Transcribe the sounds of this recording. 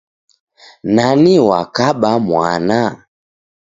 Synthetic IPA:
naniwakaɓamwa̰na

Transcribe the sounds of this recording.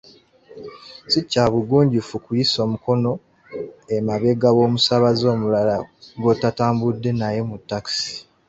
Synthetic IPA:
sicːaːβuɡuːɲɟufukujiso̞ːmuko̞no̞ | emaβe̞ɡaɣo̞ːmusaβazo̞ːmulalaɡo̞tataːmbudːe̞naje̞mutːaksi̥

